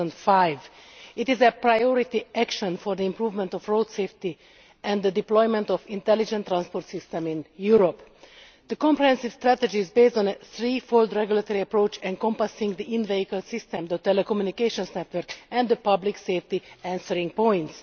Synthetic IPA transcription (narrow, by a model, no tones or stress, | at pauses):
nd̪fajvit̪izɛpɾajoɾit̪iʔækʃə̃nfɔɾd̪iĩmpɾuːvmɛ̃nt̪ɔfɹod̪seːft̪i | ʔɛ̃nd̪d̪əd̪iplɔjmɛ̃nt̪ɔfĩnt̪ɛlid͡ʒɛ̃nt̪ːɾãnspoɾt̪sist̪ɛ̃mĩnjuɾop | d̪̥əkɔ̃mpɾɛhɛ̃nsivst̪ɾæt̪ed͡ʒiːzbeːsd̪ɔ̃nəθɾiːfold̪ɾɛɡjulat̪oɾiəpɾoːt͡ʃɛ̃nkɔ̃mpasĩŋɡd̪iĩnveikəlsist̪ɛ̃md̪ət̪ɛlɛkomjunikeʃõnsnɛt̪ʋəɾkɛ̃nd̪d̪əpʌblikseːft̪iæ̃nsəɾĩŋɡpɔ̃j̃nt̪s